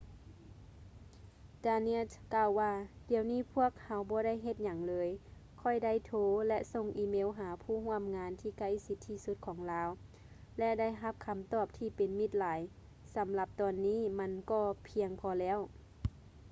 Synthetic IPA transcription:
daː˧ne˧˥t̪kaː˧˨wːaː˧diː˨˩əwniː˥˨pʰu˧˥˩ək̚ha˨˧wbɔː˧˦ɾa˥˨jɦe˧t̪̚ɲa˨˦ŋlɤː˨˧j | kʰɔ˧˩jda˥˩˨jt̪ʰoː˧˥lɛ˧ʔso˧˨ŋʔiː˧˥meː˧˥˨wɦaː˨˦pʰuː˧˩˨hu˧˥˨əmŋaː˧˦nt̪ʰiː˧˩ka˧˩˨jsi˧˥t̪ʰːiː˧˩su˧˦t̪̚kʰɔː˩˦ŋlaː˨˧˥w | lɛ˧da˥˩˨jɦa˧˥p̚kʰa˧˦mt̪ɔː˧˩p̚t̪ʰiː˧pe˨˦nmi˧˩t̪̚laː˨˦j | sa˨˦mla˧p̚t̪ɔː˨˩nːiː˧˥˨ma˧˥nkɔː˧˩pʰi˧əŋpʰɔː˧lɛː˧˥˨w

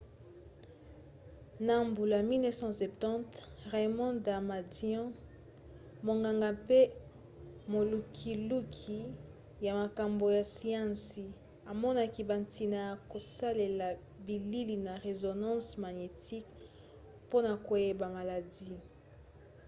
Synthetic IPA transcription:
na˨mbu˨la˨mi˦lnɛ˦sɑ̃˦sɛ˨p̚tɑ̃˦tʁe˨mɔ̃˦da˨ma˨djɔ̃˦ | mo˨ŋɡa˨ŋɡa˨pe˦ | mo˨lu˨kʰi˨lu˦kʰi˨ | ja˨ma˨ka˨mbo˨ja˨si˦ɑ̃˦si˨ | a˨mɔ˦na˦ki˨ba˨nti˨na˨ja˨ko˨sa˦le˨la˨ | bi˨li˦li˨na˨ʁe˨zo˨nɑ̃˦sma˨ɲe˨ti˦k | po˦na˨ko˨je˨ba˨ma˨la˨di˦

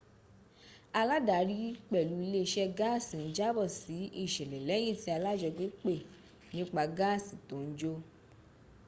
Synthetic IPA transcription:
a˧la˦da˨˦ɾi˦k͡pɛ˦˨lu˨˦i˧le˦˧ʃɛ˦ɡa˦˨sĩ˨n̩˦d͡ʒa˦bɔ˦˨si˨˦i˦˨ʃɛ˨lɛ˨lɛ˨˦j̃ĩ˦˨ti˧˦a˧la˦d͡ʒɔ˧ɡ͡be˦k͡pe˦˨ | nĩ˦k͡pa˧ɡaː˦˨si˨tõ˨˦n̩˦d͡ʒo˧

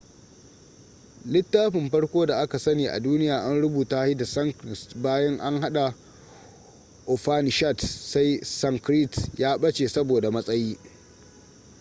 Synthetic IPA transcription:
lɪ˦tːaː˦ɸɪ˨mɸɐ˦ɽkʷoː˦da˨ʔa˦ka˨sɐ˦niː˨ʔa̰˨duː˦nɪ˦jaː˨ʔa˦nɽʊ˦buː˨taː˦hi˦da˨sɐ˦ŋkɾɪ˨stbaː˦jɐ˦ŋʔa˦ŋɦa˦ɗa˨ | ʔɔ˨ɸaː˦ni˨ʃa˦˨tsa˦jsɐ˦ŋkɾi˦˨tjaː˦ɓɐ˦t͡ʃeː˨sɐ˦boː˨da˨mɐ˦sʼɐ˦jiː˦

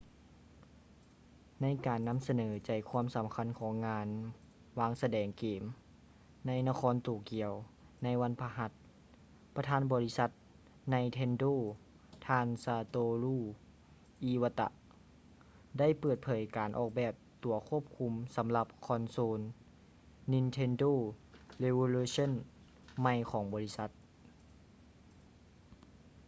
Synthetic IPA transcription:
na˧˥jkaː˨˩nːa˧˥˨msa˧nɤː˩˦t͡ɕa˨˩jkʰwuː˧˥˨msa˨˦mkʰa˧˥˨nkʰɔː˩˦ŋːaː˧˥n | waː˧ŋsa˧dɛː˨˩ŋkeː˨˩m | na˧˥jna˧kʰɔː˧˥nt̪uː˨˩ki˧˨˩əw | na˧˥jʋa˧˥˨npʰa˧ɦa˧˥t̪̚ | pa˧t̪ʰaː˧˥nbɔː˨li˦˥sa˧˦t̪̚ | na˧˥jt̪ʰe˧ndoː˧˩˨ | t̪ʰaː˧nsaː˧t̪oː˧luː˧˩ | ʔi˧˥wa˧t̪a̰˧ʔ | da˥˩˨jpɤː˧˩t̪̚pʰɤː˨˩˦jkaː˨˩nʔɔ̰ː˧˩k̚bɛː˨˩p̚t̪u˨˩ɐkʰu˧˥˩əp̚kʰu˧msa˩˦mla˧p̚kʰɔ˧nsoː˧nː | i˧nt̪ʰe˧ndoː˧˥˨le˧wo˧luː˧so˥˨n | ma˧˩jkʰɔː˩˦ŋbɔː˨li˦˥sa˧˦t̪̚

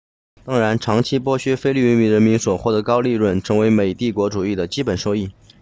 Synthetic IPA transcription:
t̪ɑ˥ŋɻa˧˥nʈ͡ʂʰɑ˧˥ŋt͡ɕʰi˥pwɔ˥ɕɥɛ˥fe˥li˥˩y˧˥nmi˧˩ɻə˧˥nmi˧˥nswɔ˨˩xwɔ˥˩d̪ə˩kɑ˥ʊli˥˧ɻwə˥˩nʈ͡ʂʰɤ˧˥ŋwe˧˥ɪme˨˩ɪt̪i˥˩kwɔ˧˥ʈ͡ʂu˨˩i˥˩d̪ə˩t͡ɕi˥pə˨˩nʂo˥˧ʊi˥˩

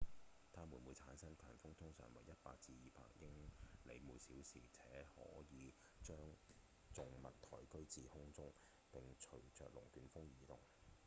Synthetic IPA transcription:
t̪ʰaː˥mu˨˩nmwuː˨˧jt͡sʰaː˨˥nsɐ˥ŋkʰœː˨˩ŋfʊ˥ŋt̪ʰʊ˥ŋsœː˨ŋwɐ˨˩jɐ˥t̚pa̰ː˧k̚t͡siː˧jiː˨˩pa̰ː˧k̚jɪ˥ŋle˨˧jmuː˨˧jsiː˨˥wsiː˨˩t͡sʰɛː˨˥hɔ̰ː˨˥jiː˨˧˦ | t͡ʃœː˥ŋ | t͡sʊ˨ŋmɐ˨t̚t̪ʰɔː˨˩jkɵ˥ɥt͡siː˨hʊ˥ŋt͡sʊ˥ŋ | pɪ˨ŋt͡ʃʰɵ˨˩ɥt͡sœ̰ː˨k̚lʊ˨˩ŋkyː˨˧nfʊ˥ŋjiː˨˧t̪ʊ˨˩ŋ

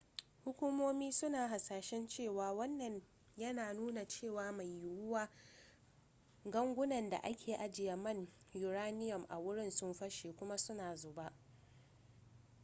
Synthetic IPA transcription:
hʊ˦kʷu˦moː˦miː˦sʊ˦naː˨ɦa˨saː˨ʃɛ˦nt͡ʃeː˦˨waː˨wɐ˦nːɐ˨ɲ | jɐ˦naː˨nuː˦na˨t͡ʃeː˦˨waː˦ma˨jːɪ˨wʊ˦waː˦ | ɡɐ˦ŋɡʷʊ˦nɐ˨nda̰˨ʔa˦kʲʰeː˨ʔa˨d͡ʒɪ˨jɐ˨mɐ˦˨ɲ | jʊ˨ɾaː˦nɪ˦jɔ˨mʔa̰˨wʊ˦ɽɪ˦nsʊ˦mɸɐ˦ʃeː˨kʷʊ˦ma˦sʊ˦naː˨zoː˨ba˦ʔ

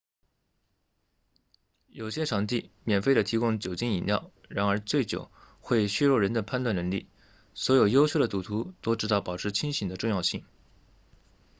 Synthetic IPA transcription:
jo˨˩ʊɕjɛ˥ʈ͡ʂʰɑ˨˩ŋt̪̬i˥˩mjɛ˨˩nfe˥˩ɪdə˩t̪ʰi˧˥kʊ˥ŋt͡ɕjo˨˩ʊt͡ɕi˥ni˨˩nljɑ̰˥˩ʊ | ɻa˧˥nə˞˧˥t͡swe˥˩ɪt͡ɕjo̰˨˩ʊ | xwe˥˧ɪɕɥɛ˥ɻɔ˥˩ɻə˧˥nd̪ə˧pʰa˥˧nt̪wa˥˩nə˧˥ŋlḭ˥˩ | swɔ˧˥jo˨˩ʊjo˥ʊt͡ɕʰjo˥˩ʊd̪ə˩t̪u˨˩t̪ʰu˧˥t̪o˥ʊʈ͡ʂɻ̩˧˥t̪ɑ˥˩pɑ˨˩ʊʈ͡ʂʰɻ̩˧˥t͡ɕʰi˥nɕi˨˩ŋd̪ə˦ʈ͡ʂʊ˥˧ŋjɑ˥˧ʊɕi˥˩ŋ

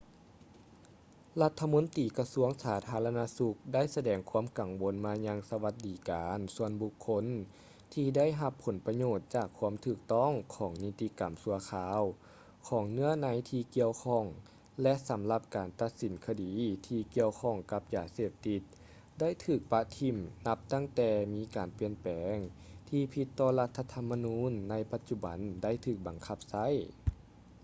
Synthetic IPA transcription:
la˧˥t̪ʰːa˧mo˧˥nt̪iː˨˩ka˧su˧˥əŋsaː˨˩˦t̪ʰaː˨˦˥la˧naː˧˥su˧k̚da˥˨jsa˧dɛː˨˩ŋkʰu˧˥əmka˨˩ŋwo˨˦nmaː˧ɲa˧˥ŋsa˧ʋa˧t̪̚diː˨˦kaː˨nsu˧ənbu˧kʰːo˧˥n | t̪ʰiː˧da˥˩˨jɦa˧pʰːo˩˦npa˧ɲoː˧˩t̪̚t͡ɕaː˧˩kʰːu˧˥əmt̪ʰɯː˧˩k̚t̪ɔ˥˨ŋkʰɔː˩˦ŋni˧t̪ːi˧ka˨˩msu˧˦ɐkʰaː˧˥w | kʰɔː˨˩˦ŋnɯ˧˥˩ɐna˧˦jt̪ʰiː˧ki˧əwkʰɔ˧˩ŋ | lɛ˧˥ʔsa˨˦mla˧p̚kaː˨˩nt̪a˧t̪̚si˨˦nkʰa˧diː˨˦t̪ʰiː˧ki˧əwkʰɔː˧˩˨ŋka˧p̚jaː˨˩seː˧˩p̚t̪i˧t̪̚ | da˥˨jt̪ʰɯː˧˩k̚pa˧t̪ʰi˧˩mna˧˥p̚t̪a˥˩ŋt̪ɛː˧miː˧˥kaː˨˩npi˧ənpɛː˨˦ŋt̪ʰiː˧pʰi˧t̪ːɔː˧˩la˧t̪ʰːa˧t̪ʰa˧mːa˧nuː˧˥˨nːa˧˥jpa˧t̪̚t͡ɕu˧ba̰˨˦nda˥˩jt̪ʰɯː˧˩k̚ba˨˩ŋkʰa˧˩p̚sa˧˥˨j

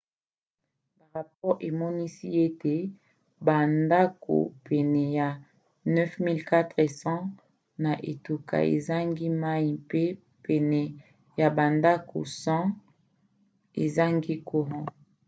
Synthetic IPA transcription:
ba˨ʁa˨p̚ɔ˦ʁe˨mɔ˦ni˦si˦e˦te˨ | ba˨nda˦ko̰˨pʰɛ˨nɛ˨ja˨ | nɛ˦fmi˦lka˦tʁe˨sɑ̃˦ | na˨ʔḛ˨tu˨ka̰˨ḛ˨za˦ŋɡi˦ma˦i˨pe˦ | pɛ˨nɛ˨ | ja˨ba˨nda˦ko̰˨sɑ̃˦ | e˨za˦ŋɡi˦kʰo˨ʁɔ̃˦

